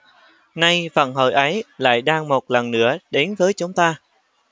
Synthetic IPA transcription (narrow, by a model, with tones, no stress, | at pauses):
na˧jvə̰˧˩nɦə̰ː˧˨˩jʔə˨˦jla̰ː˧˨jɗaː˧ŋmo˨˩t̚lə˨˩nːɨ̰˧˥əɗe˨˦nvəː˨˦jt͡ɕʊ˨˦ŋ͡mt̪aː˧